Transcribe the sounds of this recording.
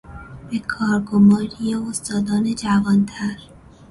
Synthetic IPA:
bekʰɒːɾɡomɒːɾijeost̪ɒːd̪ɒːned͡ʒævɒːnt̪ʰæɾ

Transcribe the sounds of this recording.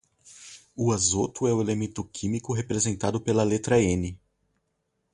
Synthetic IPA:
ʊazot̪ʊɛʊelemẽnt̪ʊkʰĩmikʊɦepɾezẽnt̪ad̪ʊpelɐlet̪ɾɐẽnɪ

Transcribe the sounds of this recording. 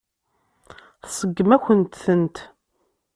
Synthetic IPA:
θsˤəɡːəmæçʷənt̪θənt̪

